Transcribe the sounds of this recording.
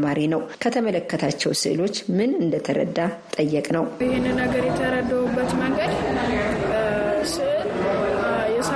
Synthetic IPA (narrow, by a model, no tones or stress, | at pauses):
maɾinəwkʰət̪ʰəmələkːət̪ʰat͡ʃːɛwsɨ̰ʔɨlo̞t͡ʃːmɨnɨnd̪ət̪ʰəɾə̰d̪ːat̪ʼəjːɛkʼnəwɪhɪnːɨnːəɡəɾjɛt̪ʰəɾəd̪ːəwubːət̪məŋɡəd̪ | sɨʔɨl | jɛs